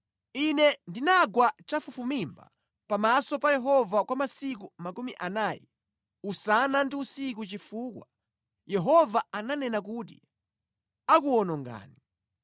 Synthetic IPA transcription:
inɛndinaɡwat͡ʃafufumimba̰ | pamasɔpajɛɦɔvakwamasikumakumiʔanaːjḭ | usanandiusik̬ut͡ʃifuːkwa̰ | jɛɦɔvaananɛnak̬ut̬ḭ | ak̬uɔnɔŋɡa̰ːni

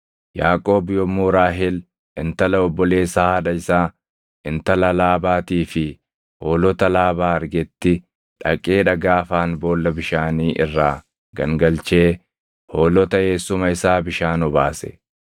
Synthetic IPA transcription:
jaːkʼo̞ːbjɔmːuːɾaːɦɪl | ɪnt̪ɐlɐɔbːɔle̞ːsːɐhɐᶑɐɪsaː | ʔɪnt̪ɐlɐlaːbaːt̪iːfɪ | ho̞ːlɔt̪ɐlaːbaːɐɾɡɛt̪ːɪ | ᶑɐkʼːe̞ːᶑɐɡaːfaːnbo̞ːlːɐbɪʃaːniːʔɪrːaː | ɡɐ̰ŋɡɐlt͡ʃe̞ː | ho̞ːlɔt̪ɐhe̞ːsʊmɐɪsaːbɪʃaːnɔbaːsɛ̥̰

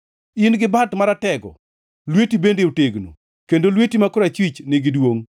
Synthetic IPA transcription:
ɪnɡɪbatmaɾatɛɡɔ̰ | lwetibendeuteɡno̰ | kendolwetimakoɾat͡ʃwit͡ʃnɪɡɪdwoŋ

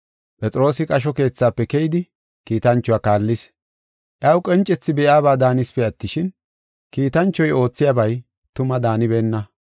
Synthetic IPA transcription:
pʼɛt͡sʼɾo̞ːsɪkʼɐʃ̬ɔke̞ːt͡sːaːpːɛkɛjɪd̪ɪ | kiːt̪ɐnt͡ʃːɔwakaːlːɪs | ʔjɐwkʼɛnt͡ʃʼɛt͡sːɪbɛʔjaːbaːd̪aːnɪspɛɐt̪ːɪʃɪn | kiːt̪ɐnt͡ʃːɔjo̞ːt͡sːɪjabɐj | t̪ʊmɐd̪aːnɪbe̞ːnːɐ

